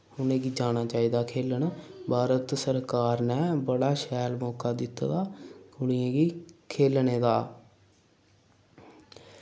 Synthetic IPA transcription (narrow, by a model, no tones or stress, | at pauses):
ʊnẽːɡiːd͡ʒaːñaːt͡ʃaːiːd̪aːkʰeːləɳbʱaːɾət̪səɾkaːɾnɛːbəɽaːʃɛːlmɔːkaːd̪ɪt̪ːd̪aːɡʊɽ̃ɪãːɡiːkʰeːlneːd̪aː